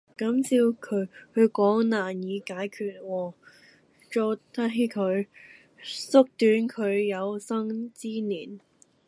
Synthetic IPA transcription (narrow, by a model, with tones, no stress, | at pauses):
kɐ˨˥msi˧wkʰɵ˨˧ɥhɵ˨˧kɔː˨˥ŋnaː˨˩njiː˨˧kaː˨˥jkʰyː˧t̚wɔː˧ | t͡ʃɔː˧t̪ʰa˥ɦi˧kʰɵ˨˧ɥ | sʊ˥k̚t̪yː˨˥nkʰɵ˨˧ɥjɐ˨˧wsɐ˥ŋt͡siː˥niː˨˩n